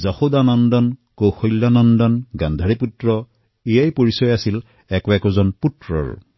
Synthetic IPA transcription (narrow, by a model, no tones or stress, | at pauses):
zaxodanɔndɔnkowxɔjlːanɔndɔnɡand̪ʱaɹiputɹɔ | ijajpoɹisɔjasil | ɛkʊɛkɔzɔnputɹɔ̰ɹ